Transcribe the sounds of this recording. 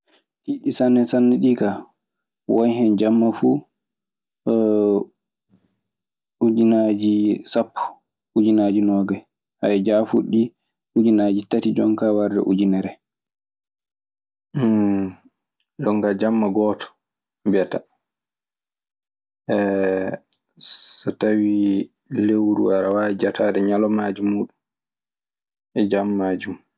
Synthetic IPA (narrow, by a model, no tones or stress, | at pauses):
hiɗisanːɛsanːiɗika | wɔjɦɛnd͡ʒamːafu | ud͡ʒinad͡ʒisapːu̥ | ud͡ʒinad͡ʒinɔːɡɛ | ʔajɛd͡ʒafuɗːi | ud͡ʒinad͡ʒitatid͡ʒɔŋkawaɾdɛ̰ʔud͡ʒinɛɾɛ | ɗɔŋkad͡ʒamːaɡɔːtɔ̥ | bɛta | ʔɛ | sɔtawi | lewɾṵwaɾawad͡ʒatʰaːɗɛɲalɔmaːd͡ʒumːuːɗum | ʔɛd͡ʒamːaːd͡ʒum